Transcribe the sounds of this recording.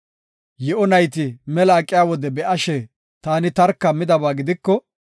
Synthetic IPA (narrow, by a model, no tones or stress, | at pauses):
jɛʔɔnɐjt̪ɪmɛlɐːkʼːɪjaːwɔd̪ɛbɛʔɐʃɛ | t̪aːnɪt̪ɐɾkːɐmɪd̪ɐbaːɡɪd̪ɪkːɔ